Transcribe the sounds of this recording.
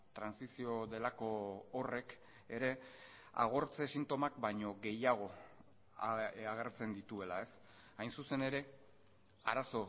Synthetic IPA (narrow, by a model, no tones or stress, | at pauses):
t̪ɾansisio̞ðe̞lako̞ːre̞k | e̞ɾe̞ | a̰ɣ̞o̞ɾt͡se̞sint̪o̞makbaɲo̞ɣe̞jaɣ̞o̞ | aɣeɾt͡se̞nd̪it̪ue̞lae̞s | ajnsuse̞ne̞ɾe̞ | a̰ɾaso̞